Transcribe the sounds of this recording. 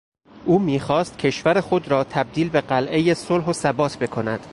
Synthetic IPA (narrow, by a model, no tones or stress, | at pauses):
ʔuːmiːxɒːst̪̚cʰe̞ʃvæɾexo̞d̪ɾɒːt̪ʰæb̚d̪iːlbeɢælʔe̞jesolɦosæbɒːt̪ʰbe̞kʰo̞næd̪̥